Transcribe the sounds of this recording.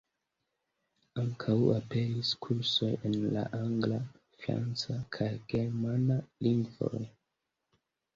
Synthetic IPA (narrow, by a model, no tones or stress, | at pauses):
aŋkʰawape̞ɾiskʰuɾso̞jenla̰ʔaŋɡla | fɾa̰nt͡sakʰajɡ̥e̞ɾmanaliŋɡvo̰j